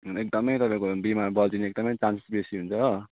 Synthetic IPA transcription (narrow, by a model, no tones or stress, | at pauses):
ek̚d̪ʌmʌjt̪ʌpãĩkobimaɾbʌld͡ziniek̚d̪ʌmʌjt͡sanse̥sbesiɦunt͡sʰʌ